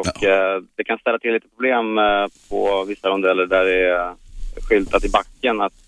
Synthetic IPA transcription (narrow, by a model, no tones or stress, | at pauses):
ɔkːd̪ɛkʰanst̪ɛlːat̪ʰɪlːiːt̪əpʰɾʊbleːmpʰɔ̰vɪsːamɔd̪ɛlːəɖæɾɖɛ | ɧʏlt̪at̪ɪbakːənat̪